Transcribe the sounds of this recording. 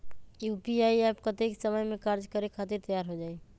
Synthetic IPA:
jupiaiɛpkət̪eksəməjmẽkaɾd͡ʒkəɾekʰat̪iɾt̪əjaɾɦod͡ʒaːi

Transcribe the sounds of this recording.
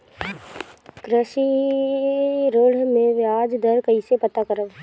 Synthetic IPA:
kɾəʃi | ɾoːɽ̤mẽʋjaːd͡ʒd̪əɾkəɦisepət̪akəɾəb

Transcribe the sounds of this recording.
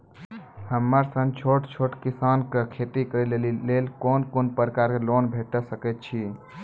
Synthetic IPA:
həmːəɾsənt͡ʃʰoʈt͡ʃʰoʈkisankekʰet̪ikəɾilellelkonkonpəɾəkaɾkelonbʱeʈəsəkɛt̪̚t͡ʃʰi

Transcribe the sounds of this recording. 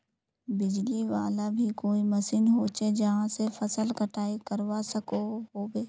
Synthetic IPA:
bɪd͡ʒliʋaːlabʱikoːimɐsinɦoːt͡ʃed͡ʒɐɦãsefɐsəlkɐʈʰaːikɐɾwasɐkoɦoːbeː

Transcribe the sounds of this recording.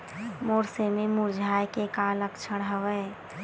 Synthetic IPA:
moːɾsemẽmuɾd͡ʒʱaːjkekaləkt͡ʃʰəɽ̃ɦəwə

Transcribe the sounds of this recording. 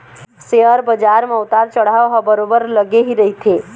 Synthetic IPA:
seəɾbəd͡ʒaɾmãut̪aɾt͡ʃəɽ̤aʋɦɔbəɾobəɾləɡeɦiɾəɦit̪ʰe

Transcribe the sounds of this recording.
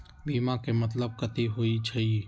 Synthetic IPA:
biːmãkemɐt̪̬ləb̚kət̪iɦoit͡ʃʰɐi

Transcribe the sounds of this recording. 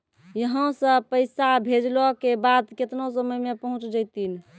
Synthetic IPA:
jəɦə̃sə̃pəɪsabʱed͡ʒlɔkebad̪ket̪nosəməjmepəɦũt͡ʃd͡ʒəjt̪in

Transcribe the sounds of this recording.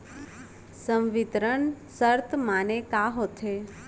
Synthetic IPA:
səmʋɪt̪ɾəɳsəɾt̪ʰmanekaɦot̪ʰe

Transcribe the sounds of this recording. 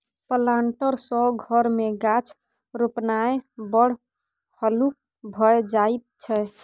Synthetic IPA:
pəlaɳʈəɾsɔɡʱɔɾmeɡat͡ʃʰ | ɾopnaebəɽ̤ | həluk̚ | bʱɔed͡ʒait̪̚t͡ʃʰɛ

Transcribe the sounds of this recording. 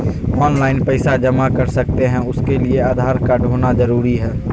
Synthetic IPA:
ɔːnlaːɪnpəɪsad͡ʒɐmakɐɾsɐk̚t̪eɦɛ̃ʊskelieaːd̪ʱaːɾkaɖʱoːnazɐɾuːɾiɦɛː

